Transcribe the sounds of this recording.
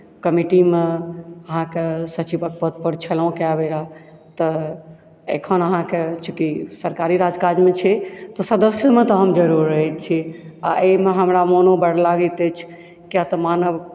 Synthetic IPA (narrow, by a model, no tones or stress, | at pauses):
kəmiʈimeəɦãkesət͡ʃibək̚pət̪̚pəɾt͡ʃʰəlaõkeabeɾa | t̪ɔ | ḛkʰənəɦãket͡ʃʰukisəɾkaɾiɾad͡ʒkad͡ʒmet͡ʃʰɛt̪ɔsəd̪əsjəmet̪ɔɦəmd͡ʒəɾuɾːəɦɛt̪̚t͡ʃʰiaʔemeɦəmɾamonobəɽlaɡet̪et͡ʃʰ | kjat̪ɔmanəʋ